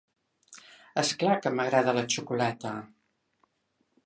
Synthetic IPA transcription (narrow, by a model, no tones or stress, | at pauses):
əsklakəməɣɾaðələt͡ʃukulɛt̪ə